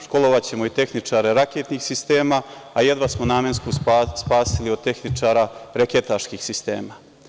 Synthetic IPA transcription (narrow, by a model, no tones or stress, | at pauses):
ʃko̞loʋat͡ɕe̞mo̞it̪e̞xnit͡ʂaːɾeɾakeːt̪nixsist̪e̞ːmaːje̞d̪ʋasmonaːmenskuspaːsiliod̪̚t̪e̞xnit͡ʂaːɾaɾeket̪aʃkiːxsist̪e̞ːma